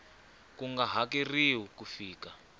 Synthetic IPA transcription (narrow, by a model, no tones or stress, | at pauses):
kuŋɡaɦakiriwukufiːka